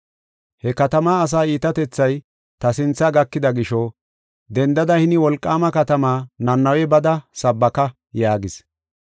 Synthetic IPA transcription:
hɛkɐt̪ɐmaːs̬aːiːt̪ɐt̪ɛt͡sːɐj | t̪ɐsɪnt͡sːɐɡɐkːɪd̪ɐɡɪʃɔ | d̪ɛnd̪ɐd̪ɐhɪnɪwɔlkʼːaːmɐkɐt̪ɐmaːnɐnːɐwɛbɐd̪ɐsɐbːɐkɐ | jaːɡɪs

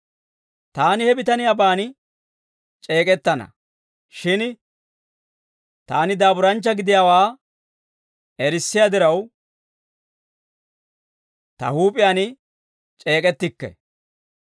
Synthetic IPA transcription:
t̪aːnɪhɛbɪt̪ɐnɪjabaːnɪ | t͡ʃʼe̞ːkʼɛt̪ːɐnɐ̰ | ʃɪn | t̪aːnɪd̪aːbʊɾɐnt͡ʃːɐɡɪd̪ɪjaːwaː | ɛɾɪsːɪjad̪ɪɾɐw | t̪ɐ̰huːpʼɪjaːnɪ | t͡ʃʼe̞ːkʼɛt̪ːɪkːɛ̰

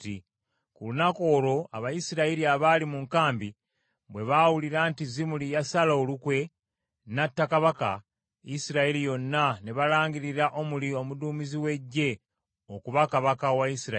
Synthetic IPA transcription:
ti | kulunako̞ːlo̞a̰βajisiɾaiɾiaβalimuŋkaːmbi | βwe̞βawuliɾaːntizimulijasalaolukwe̞ | natːakaβaka̰ | isiɾaiɾijo̞nːaneβalaːŋɡiɾiɾaʔo̞mulio̞muduːmiziwe̞ɟːe̞ | okuβakaβakawaisiɾa

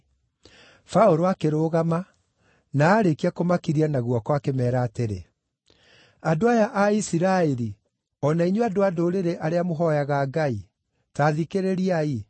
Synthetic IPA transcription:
faoɾoakeɾoːɣama | naːɾekiakomakiɾianaɣwɔkɔakemɛːɾaːteɾe | adoajaʔaisiɾaeɾi | ɔnaiɲeadoadoːɾeɾeʔaɾeamoɦɔjaɣaːɡai | taːðikeɾeɾiai

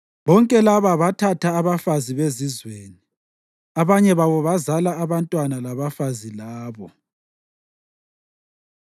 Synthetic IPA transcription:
βɔŋkʼɛlaβaβatʰatʰaːβafaziβezizweːni | aβaɲɛβaβɔβazalaːβantʼwanalaβafazilaːβɔ

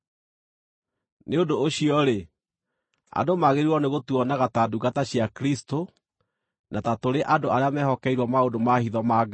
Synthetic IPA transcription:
neodoːɕiɔɾe | a̰domaɣeɾiwɔneɣotuɔnaɣataduɣataɕiakɾisto | natatoɾeʔadoaɾeamɛɦɔkɛiɾwɔmaodomahiðɔmaːɡa

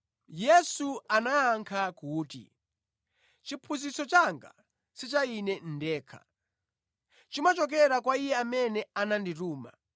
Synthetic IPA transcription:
jɛsuanaaŋkʰakuːtḭ | t͡ʃipʰuzisɔt͡ʃaŋɡa̰ | sit͡ʃainɛn̩dɛːkʰḁ̰ | t͡ʃimat͡ʃɔk̬ɛɾak̬waijɛamɛnɛanandituːma̰

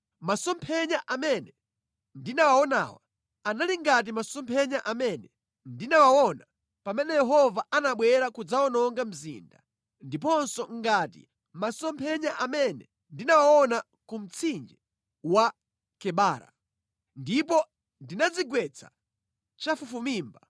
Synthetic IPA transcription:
masɔmpʰɛɲaʔamɛnɛ | ndinawawɔna̰ːwa̰ | analiŋɡat̬imasɔmpʰɛɲaʔamɛnɛ | ndinawawɔna | pamɛnɛjɛɦɔvaanaɓwɛɾakud͡zawɔnɔŋɡam̩zḭnda | ndip̬ɔnsɔŋɡatḭ | masɔmpʰɛɲaʔamɛnɛ̰ | ndinawawɔna | kum̩t͡sʰind͡ʒɛ | wa | kɛɓaːɾa̰ | ndipɔ | ndinad͡ziɡwɛt͡sʰḁ | t͡ʃafufumiːmba

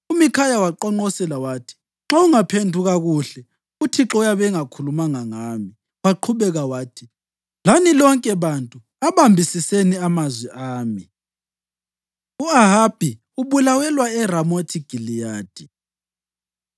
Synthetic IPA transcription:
umikʰajawaǃɔŋ͡ǃɔsɛlawaːtʰi̥ | ŋ͡ǁauŋapʰendʱuɣaɣuɬɛ | utʰiǁɔjaβɛŋakʰulumaŋaŋaːmi | waǃʰuβɛɣawaːtʰi | lanilɔŋkʼɛβantʼu | aβambʱisiseniamazwɛʔaːmi | uaɦab̥ʱi | uβulawɛlwaɛramotʰiɡ̥ʱilijaːd̥ʱi

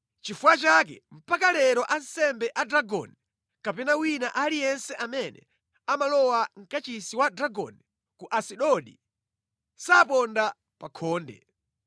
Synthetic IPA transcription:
t͡ʃifuwat͡ʃak̬ɛ̰m̩pakalɛɾɔʔansɛmbɛʔadɾaɡɔ̰ni | kapɛnawinaʔalijɛnsɛʔamɛnɛ̰ | amalɔwaŋ̩kat͡ʃisiwadɾaɡɔ̰nɛ | kuʔasiɗɔɗḭ | sapɔnda | pakʰɔːndɛ̰

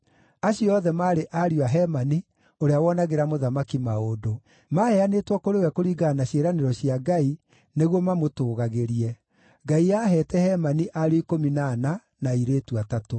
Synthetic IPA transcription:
aɕiɔðɛmaːɾeʔaɾiaɦɛmani | oɾeawɔnaɣeɾamoðamakimaodo | mahɛanetwakoɾewɛkoɾiɡanaɕeɾaneɾɔɕjaɡai | neɣwɔmamotoːɣaɣeɾiɛ | ɡaiaɦɛtɛhɛmaniʔaɾoikominana | naiɾeːtuatato

